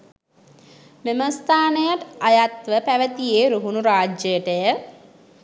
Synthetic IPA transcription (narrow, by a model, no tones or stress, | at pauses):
meməst̪aːnəjəʈajat̪ʋəpæʋət̪ijeːɾuɦunuɾaːd͡ʒəjəʈəjə